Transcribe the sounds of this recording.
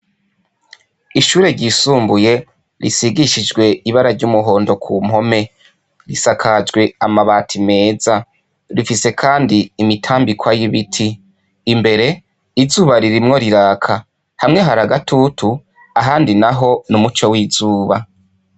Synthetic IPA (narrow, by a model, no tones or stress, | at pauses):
iʃuːɾe̞ɾɟisuːmbuje̞ | ɾḭsiɡiʃid͡ʒɡwe̞iβaɾaɾɟumuɦoːndo̞kʰuːm̥ho̞me̞ | ɾisakʰad͡ʒɡwe̞amaβaːtʰime̞ːza | ɾifise̞kʰaːndiːmitʰaːmbikwajiβitʰiː | mbe̞ɾe̞ | izuːβaɾiɾimŋo̞ɾiɾaːkʰa | hamŋe̞ɦaɾaɡatʰutu | aɦaːndinaɦo̞numut͡ʃowizuːβa